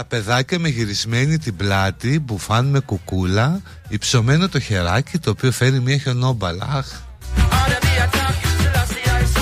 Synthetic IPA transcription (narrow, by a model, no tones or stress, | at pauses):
t̪ɐpe̞ðɐcɐme̞ʝiɾizme̞nit̪iblɐt̪ipufɐnme̞kukulɐ | ipso̞me̞no̞t̪o̞çe̞ɾɐcit̪o̞ːpio̞fe̞ɾimiɐço̞no̞bɐlɐ̰ɐx